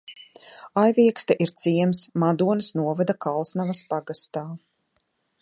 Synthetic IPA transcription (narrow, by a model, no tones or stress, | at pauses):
ajvʲiɛkst̪aʔiɾt̪siɛmsmad̪uɔnɨsnuɔvad̪akalˠsnavaspaɡast̪aː